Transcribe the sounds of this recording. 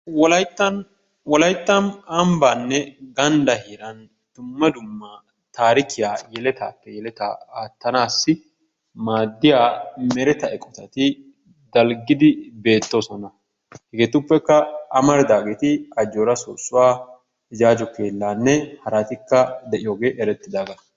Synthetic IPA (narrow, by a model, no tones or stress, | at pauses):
wɔlɐjt̪ːɐn | wɔlɐjt̪ːɐnɐmbaːnːɛɡɐnd̪ɐhiːɾɐn | d̪̥ʊmːɐd̪ʊmːɐ | t̪aːɾɪkɪjaːjɛlɛt̪a̰ːpːɛjɛlɛt̪a̰aːt̪ːɐnaːsːɪ | maːd̪ːɪjaːmɛɾɛt̪ɐɛkʼːɔt̪ɐt̪ɪ | d̪ɐlɡɪd̪ɪbe̞ːt̪ːosɔnɐ | hɛɡeːt̪ʊpːɛkːɐʔɐmɐɾɪd̪aːɡeːt̪ɪɐd͡ʒːoːɾɐsoːsːʊwaː | ɪd͡ʒaːd͡ʒɔkeːlːaːnːɛhɐɾat̪ɪkːɐd̪ɛʔɪjoːɡe̞ːʔɛɾɛt̪ːɪd̪aːɡɐ